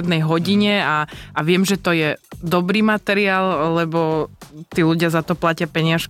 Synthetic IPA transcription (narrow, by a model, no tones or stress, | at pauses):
d̪nɛjɦɔɟiɲɛaaʋɪɛmʒɛt̪ɔjɛd̪ɔbɾiːmat̪ɛɾiaːllɛbɔt̪iːluɟɪazat̪ɔplacɪapɛɲɪaʃk